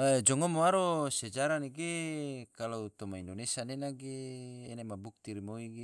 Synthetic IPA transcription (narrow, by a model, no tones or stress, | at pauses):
d͡ʒɔŋomoaɾosed͡ʒaɾaneɡekalot̪omaindonesanenaɡeːnamabuk̚t̪iɾimoiɡe